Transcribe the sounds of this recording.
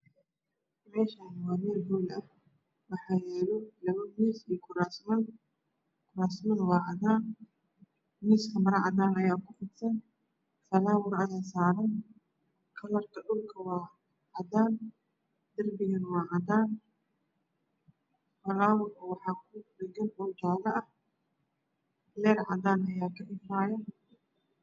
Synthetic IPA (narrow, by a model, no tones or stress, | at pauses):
mɛːʃaːnɪwɑːmɛːlbuːlɐh | wɑħɑːjɛːlɔlɐβɐmiːsikʰʊɾaːsmɐn | kʰʊɾaːsmɐðwɑːʕɑd̪aːn | miːskʰɐmɐɾɐʕɑd̪aːnɐjaːkʰʊfɪd̪sɐn | fɐlaːwʊɾɐjaːsaːɾɐn | kʰɐlɐrkʰɐɗʊlkʰɐwɑː | ʕɑd̪aːn | d̪̥ɐrbɪɣɐnwɑːʕɑd̪aːn | fɐlaːwʊrɐwɑħɑːkʰʊdɐɡɐnʔʊt͡ʃaːlɐʔɐh | lɛːɾʕɑ̰d̪aːnɐjaːkʰɐʔɪfaːjɐ